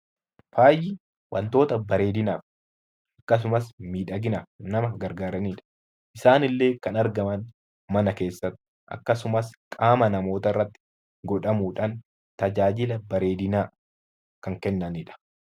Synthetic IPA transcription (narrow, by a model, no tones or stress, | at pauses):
faːjɪ | wʔɐ̰nt̪o̞ːt̪ɐbɐɾe̞ːd̪ɪnaːf | ʔɐkːɐs̬ʊmɐsmiːᶑɐɡɪnaːnɐmɐɡɐɾɡaːɾɐniːᶑɐ̥ | ʔɪsaːnɪlːe̞ːkɐnɐɾɡɐmɐn | mɐnɐke̞ːsːɐt̪ː | ʔɐ̰kːɐsʊmɐskʼaːmɐnɐmo̞ːt̪ɐɪrːɐt̪ːɪ̥ | ɡɔᶑɐmuːᶑan | t̪ɐd͡ʒaːd͡ʒɪlɐbɐɾe̞ːd̪ɪnaː | kɐŋkɛnːɐniᶑɐ̥